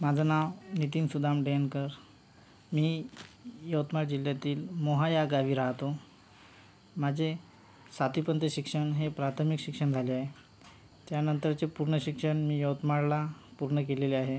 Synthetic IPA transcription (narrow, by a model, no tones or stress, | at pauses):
mad͡zʱanaʋnit̪̬iːnsud̪ʱamɖenkəɾ | miː | jəwt̪maɽd͡ʑiljat̪iːlmoɦajaɡaʋiːɾaɦt̪o | mad͡ʑʱe | sat̪ipənt̪əɕikʂəɳɦepɾat̪ʰəmikɕikʂəɳd͡zʱaleaɦe | t̪janənt̪əɾt͡sepuɾɳəɕikʂəɳmiːjəwt̪maɽlapuɾɳək̬eleleaɦe